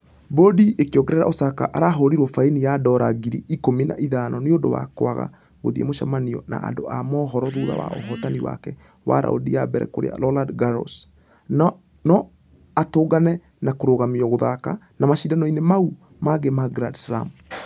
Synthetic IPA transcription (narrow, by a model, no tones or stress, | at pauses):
bodiekeɔkɛɾɛɾa̰ʔosaka̰ʔaɾaɦɔɾiɾwɔfainijadɔɾaɡiɾiʔikomina̰ʔiðanʔɔneondowa̰koaɣa̰ | ɣoðiemoʃamaniɔ̰na̰ʔːndoamɔːɦɔɾɔðuɾa̰wa̰o̰ɦɔtaniwa̰kɛ | wa̰ɾa̰o̰diabɛɾɛ̰koɾḛa̰lɔladɡaɾɔ̰s | nɔ | atoːɡanɛ | nakoɾoɣamiɔɣoðaka | namaʃidanɔinemau | maɡemaɡɾadsla̰m